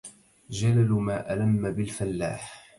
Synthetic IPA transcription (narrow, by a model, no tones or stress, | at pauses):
d͡ʒalalmaːʔalamːabɪlfalːa̰ːħ